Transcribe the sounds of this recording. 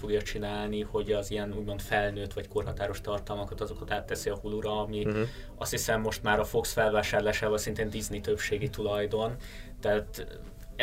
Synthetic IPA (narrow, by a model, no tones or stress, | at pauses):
foɡjɒt͡ʃinaːlniho̞ɟɒzijɛnuːɟmo̞nt̪fɛlnøːt̪ʋɒcko̞rɦɒt̪aːɾo̞ʃt̪ɒrt̪ɒlmɒkɒt̪ɒzo̞kɒt̪aːt̪ːɛsiɒhuluɾɒɒmi | ɒst̪hisɛmːo̞ʃt̪maːɾɒfo̞ksfɛlvaːʃaːrlaːʃaːvɒlsɛint̪eːnd̪iznit̪ø̞pʃeːɡit̪ulɒjd̪o̞nt̪ɛaːt̪